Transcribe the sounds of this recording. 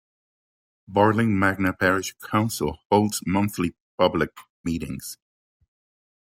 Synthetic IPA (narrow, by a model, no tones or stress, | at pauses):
bɑɹlɪ̃ŋmæɡ̚nəpʰɛɹɪʃkʰãʊ̃nsəlˠhoʊlˠdz̥mʌ̃nθlip̚ʰʌblɪk̚ | miɾɪ̰̃ŋz̥